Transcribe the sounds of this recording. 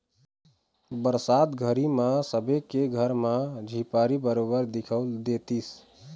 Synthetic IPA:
bəɾsad̪ɡʱəɾimãsəbekeɡʱəɾmãd͡ʒʱipaɾibəɾobəɾd̪ikʰəld̪et̪is

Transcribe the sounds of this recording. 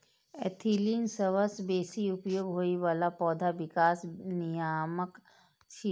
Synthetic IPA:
ɛ̰t̪ʰiːlinsəʋəsbeːsiʊpjoːɡɦoːiʋaːlapɔːd̪ʱaʋɪkaːsnijaːmək | t͡ʃʰi

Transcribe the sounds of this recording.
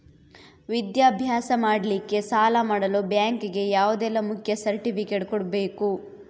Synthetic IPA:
ʋid̪jaːbʱjaːsɐmaːɽɐlikːe̞saːlɐmaːɽɐlobjaːŋkɡe̞jaːʋud̪ɛlːɐmukʰjɐsɐɾʈipʰikeːʈkɔɽbe̞ːku

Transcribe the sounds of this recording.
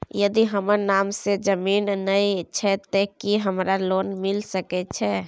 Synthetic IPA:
jəd̪iɦəməɾnaːmsed͡ʒəmiːnnəit͡ʃʰɛt̪ekiɦəmɾaloːnmɪlsəkɛt͡ʃʰɛ

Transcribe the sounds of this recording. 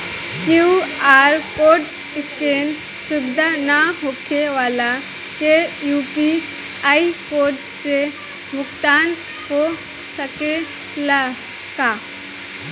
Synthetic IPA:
kjuaːɾkoːʈ | ɪskeːn | sʊbɪd̪ʱanaɦokʰeʋaːla | kejuːpi | aːikoːɾɖse | mʊkt̪aːn | ɦo | səke | la | kaː

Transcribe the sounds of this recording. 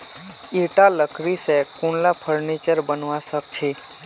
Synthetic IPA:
iɾʈaləkɾisekuɳlapʰəɾnit͡ʃəɾbənʋãsək̚t͡ʃʰe

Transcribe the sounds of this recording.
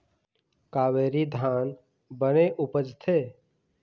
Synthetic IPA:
kaːweːɾid̪ʱaːn | bəneʔʊpəd͡ʒt̪ʰeː

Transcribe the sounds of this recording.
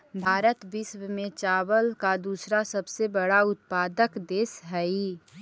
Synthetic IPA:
bʱaːɾət̪bɪswmẽt͡ʃaːwəlkad̪uːsɾasəbsebəɽaʊt̪̚paːd̪əkd̪eːsɦɛi

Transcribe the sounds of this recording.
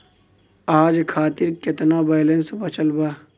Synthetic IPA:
aːd͡ʒkʰaːt̪ɪɾkɪt̪nabaːlẽnsbɐt͡ʃəlbaː

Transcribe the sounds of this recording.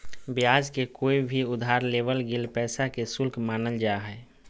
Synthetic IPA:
bjaːd͡ʒkekoːibʱiʊd̪ʱaːɾleːʋəlɡɪlpɛːsakesʊlkmaːnəld͡ʒaɦɛː

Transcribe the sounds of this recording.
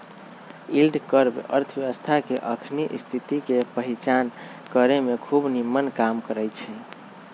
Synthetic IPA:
ilɖkəɾbə̰ɾt̪ʰʋjeʋəst̪ʰakeʔəkʰniʔist̪ʰit̪ikepəɦit͡ʃan | kəɾemekʰubnimːənkamkəɾət͡ʃʰɛ

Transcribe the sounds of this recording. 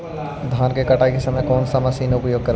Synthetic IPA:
d̪ʱaːnkekɐʈakisɐmẽkɔːnsɐməsiːnʊpjoːɡ̚kɐɾ

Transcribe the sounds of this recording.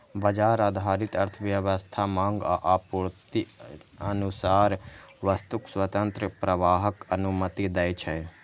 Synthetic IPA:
bɐd͡ʒaːɾaːd̪ʱaːɾɪt̪ɐɾt̪ʰəʋjəʋəst̪ʰamãŋɡa̰ʔaːpuɾt̪iənusaːɾʋəst̪ukswət̪ənt̪ɾəpɾɐʋaːɦəkɐnumət̪id̪ɛjt͡ʃʰɛ

